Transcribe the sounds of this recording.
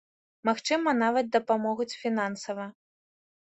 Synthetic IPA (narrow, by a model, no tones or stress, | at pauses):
maxt͡ʂɨmɐnavɐt̪̚d̪ɐpamɔɣut͡sʲfʲinansɐvɐ